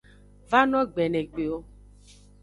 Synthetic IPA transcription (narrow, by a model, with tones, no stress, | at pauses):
va˦nɔ̃˦ɡ͡bɛ˨nɛ˨ɡ͡be˨o˦